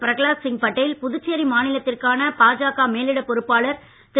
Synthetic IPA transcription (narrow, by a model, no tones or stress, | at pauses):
pɪɾɐɣɭaːsɪŋpɐʈːɐjɪlpʊðʊt͡ʃːeɾimaːnɪlɐt̪ːɪrkaːnɐpaːd͡ʒaːɣaːmeːlɪɽɐpːɔɾɯpːaːlɐɾ | t̪ɪ